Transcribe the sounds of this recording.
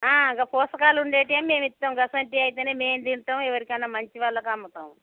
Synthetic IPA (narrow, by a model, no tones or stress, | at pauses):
aːiŋkɐpɔːsɐkaːluɳɖe̞ːʈeːmmːe̞ːmit̪ːɐmɡɐsɐɳʈiɐjit̪eːneːme̞ːnd̪iɳʈ̪aːɛʋɐɾikɐnːɐmɐɲt͡ʃiʋaːlːɐkɐmːɐt̪a̰ːm